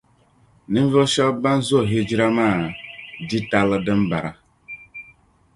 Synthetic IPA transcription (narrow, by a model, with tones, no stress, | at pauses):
nĩ˦m˦vɨ˦lʃɔ˦ba˦n˦zo˦˨ɦe˦d͡ʒi˦ɾa˦maː˦˨di˦ta˨lɨ˦dɨ˦m˦ba˨ɾa˨